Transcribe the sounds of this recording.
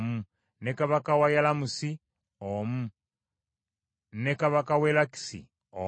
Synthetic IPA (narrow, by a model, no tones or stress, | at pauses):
mu | nekaβakawajalamusi | omu | nekaβakawelaki̥sḭ | o